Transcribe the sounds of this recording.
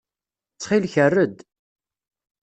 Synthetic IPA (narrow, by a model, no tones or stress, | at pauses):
t͡sːχilçərːəd̪